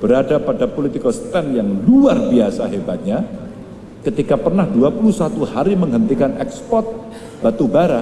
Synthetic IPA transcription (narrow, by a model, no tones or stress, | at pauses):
b̥əɾadapadapolit̪ikost̪ɛnjaŋluarbiasaɦebat̪̚ɲa | kət̪ikapərnahduapulusat̪uhaɾiməŋɦənt̪ikanɛkspɔrt̪̚ | b̥at̪ubaɾa